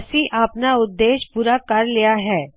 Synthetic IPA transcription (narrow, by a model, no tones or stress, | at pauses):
siʔapnaʊd̪ːeːʃpuɾakɐɾlɪjaɦɛː